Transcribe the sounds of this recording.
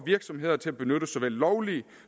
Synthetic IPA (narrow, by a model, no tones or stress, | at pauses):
ʋiɐɡ̥sɒ̽mɦe̝ð̞̰ˠɐt͡sʰe̝æb̥e̝nøɾ̥əsɒ̽ʋel̰ːɒʊli